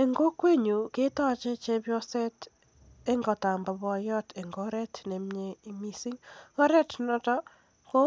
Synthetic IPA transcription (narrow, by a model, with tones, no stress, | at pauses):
e˨ŋɡo˦kwe˦ɲu˨ke˦ta˦t͡ʃe˦t͡ʃe˧pjɔ˦sɛ˦t | e˦ŋɡɔ˨ta˨mba˨bɔ˧jɔ˦tʰe˨ŋɡɔ˦ɾɛ˦tne˨mɲei˦mi˦si˦ŋkɔ˦ɾɛ˦tnɔ˨tɔ˦ | ko˦